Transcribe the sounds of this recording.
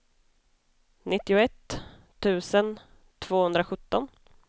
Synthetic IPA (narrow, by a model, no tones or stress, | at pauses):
nɪt̪ːɪʊɛt̪ʰː | ʉ̟ːsən | t̪ʰv̥oːhɵnd̪ɾaɧɵt̪ːɔn